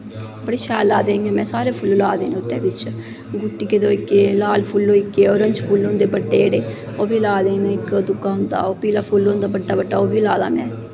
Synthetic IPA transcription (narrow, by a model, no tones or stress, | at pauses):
bəɽeːʃaːlaːd̪eːŋɡẽːmɛ̃ːsaːɾeːpʰʊllaːd̪eːnʊt̪ːḛːbɪt͡ʃ | ɡʊʈːiːkeːd̪oːikeːlaːlpʰʊlːoːikeːoːɾəɲd͡ʒpʰuːlːõːnd̪eːbəɖːeːɽeː | oːbiːlaːd̪eːnːɪkd̪ʊkaːɦʊnd̪a̰ːoːpiːlaːpʰuːlːõːnd̪aːbəɖːaːbəɖːaːoːbiːlaːd̪a̰ːmɛ̰̃ː